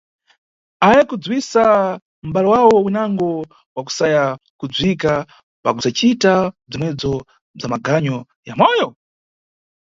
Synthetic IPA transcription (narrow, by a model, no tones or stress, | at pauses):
ajɛkud͡zwisa | m̩baliwawɔwinaŋɡɔ | waku̥sajakud͡zwika | pakusat͡ʃitab͡ʐimwɛd͡zɔ | b͡ʐamaɡaɲɔ | jamɔjɔ